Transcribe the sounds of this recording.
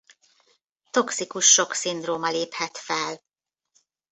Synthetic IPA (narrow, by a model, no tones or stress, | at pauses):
t̪o̞ksikuʃːo̞ksind̪roːmɒleːphɛt̪fɛl